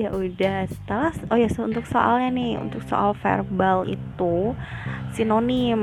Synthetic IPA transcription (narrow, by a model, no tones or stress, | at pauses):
jaʔudahsə̥t̪alasojasunt̪ʊkso̰ʔa̰lɲanɪhṵnt̪ʊkso̰ʔalfḛrbalḭt̪u | sinonim